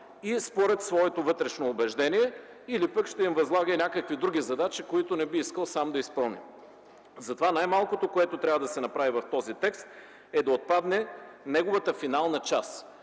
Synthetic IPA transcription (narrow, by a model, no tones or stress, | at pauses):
ispoɾɛt̪svɔɛt̪ovɤt̪ɾɛʃnoːbɛʒd̪ɛnʲiɛ | ilipəkʃt̪ɛimvɐzlˠaɡəinʲakəkvid̪ɾuɡ̟ʲizɐd̪at͡ʃikoit̪onɛbiiskəlˠsamd̪ɐispɤlˠnḭm | zɐt̪ovanajmalˠkot̪okoɛt̪ot̪ɾʲabvəd̪ɐsɛnɐpɾavivɐft̪ɔzit̪ɛkst̪ | ɛd̪ɐot̪̚pad̪nɛnɛɡovət̪əfinalˠnɐt͡ʃas